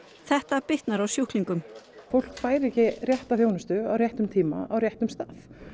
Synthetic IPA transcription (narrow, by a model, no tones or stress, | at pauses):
θɛht̪apɪht̪naɾawsjuhkliŋkʏmfowl̥kfaːjɾɛhcɪrjɛht̪afjoːwnʏst̪ʏawrjɛht̪ʏmt̪ʰiːma̰awrjɛht̪ʏmst̪aːθ